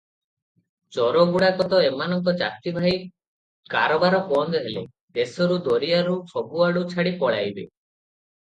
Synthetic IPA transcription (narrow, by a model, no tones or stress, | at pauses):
t͡ʃɔɾɔɡuɽakɔt̪ɔemanɔŋkɔt͡ʃa̰k̚t̪ibʱaj | kaɾɔbaɾɔpɔnd̪ɔɦele | d̪esɔɾud̪oɾijaɾut͡ʃʰɔbuaɽut͡ʃʰaɽipɔɭa̰jbḛ